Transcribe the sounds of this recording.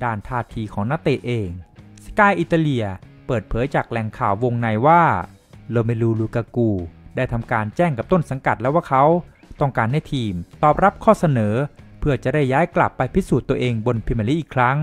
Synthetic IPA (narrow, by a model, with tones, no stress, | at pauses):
daː˧˩nt̪ʰaː˥˩t̪ʰiː˧kʰɔː˩˦ŋna˦˥˩t̪eː˧ʔeː˧ŋskaː˧jʔi˨˩t̪ːaː˧li˧ɐpɤː˨˩t̪̚pʰɤː˩˦jt͡ɕaː˨˩k̚lɛ˨˩ŋkʰaː˨˩wːo˧ŋna˧jwaː˥˩ | loː˧ma˧jluː˧luː˧kaː˧kuː˧daː˥˩jt̪ʰa˧mkaː˧nt͡ɕɛː˥˩ŋka˨˩p̚t̪o˥˩nsa˩˦ŋka˨˩t̪̚lɛ˦˥waː˥˩kʰa˦˥w | t̪ɔ˥˩ŋkaː˧nːa˧˥˩jt̪ʰiː˧mt̪ɔː˨˩p̚ɾa˦˥p̚kʰɔː˥˩sa˧nɤː˩˦pʰɯ˥˩ɐt͡ɕa˨˩da˥˩jːaː˦˥jkla̰˨˩pːa˧jpʰi˦˥suː˨˩t̪ːu˧ɐʔeː˧ŋbo˧npʰi˧ma˧li˦˥ʔiː˨˩kʰɾa˦˥ŋ